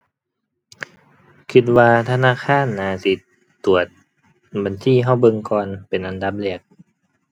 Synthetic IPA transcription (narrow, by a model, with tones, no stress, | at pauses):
kʰi˧˩t̪̚waː˧t̪ʰa˧naː˧˥˨kʰaː˧˥˨nːaː˨˧˦si˧˦t̪ | t̪u˨˩ət̪̚ | ba˨˩nsʰiː˧˥˨ɦa˧˥˩wbɤ˧ŋkɔː˧npe˨nʔa˨nda˨˦p̚li˧˩ək̚